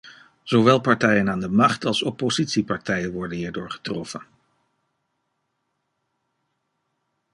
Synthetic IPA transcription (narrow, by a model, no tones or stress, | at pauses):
z̥oʋɛlˠpɑɹtɛjənaːndəmɑχtɑlˠsɔpozitsipɑɹtɛjənʋɔɹdənɦiːɹdʊːɹχə̥trɔfən